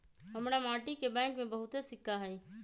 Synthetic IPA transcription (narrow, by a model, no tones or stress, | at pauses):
ɦɐmɽamaːʈikebɛ̃ːŋkmẽbɐɦʊt̪esɪkːaɦɛː